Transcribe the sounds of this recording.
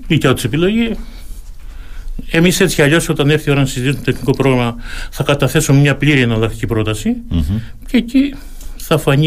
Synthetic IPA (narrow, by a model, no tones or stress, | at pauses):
licɐot̪ise̞pilo̞ʝi | e̞mise̞t͡sçʲiɐʎo̞so̞t̪ɐneɾθio̞ɾɐnsizit̪isunt̪eniko̞pɾo̞ɣɾɐmɐθɐkɐt̪ɐθe̞sumemɲɐpliɾiɐnɐlɐkt̪icipɾo̞t̪ɐsi | ceci | θɐfɐɲi